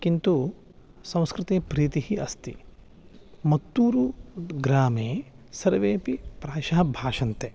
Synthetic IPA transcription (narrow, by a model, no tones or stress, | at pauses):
kint̪u | sɐ̃w̃skɾɪt̪eːpɾiːt̪ihiɐst̪i | mɐt̪ːuːɾuɡɾaːmeː | sɐɾʋeːpipɾaːʃɐɦɐbʱaːʃɐnt̪e